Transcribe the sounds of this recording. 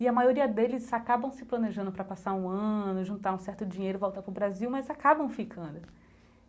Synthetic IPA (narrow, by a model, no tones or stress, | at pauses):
iɐmajoɾiɐd̪elɪzakabɐ̃w̃sɪplɐneʒɐ̃nd̪ʊpɾɐpasaɾũɐ̃nʊʒũnt̪aɾũsɛɾt̪ʊd͡ʒĩɲejɾʊvowt̪aɾpɾʊbɾaziwmɐjzakabɐ̃w̃fikʰɐ̃nd̪ʊ